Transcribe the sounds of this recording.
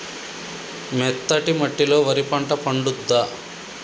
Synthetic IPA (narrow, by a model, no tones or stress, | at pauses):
mɛt̪ːɐʈimɐʈːilo̞ːʋɐɾipɐɳʈɐpɐɳɖud̪ːa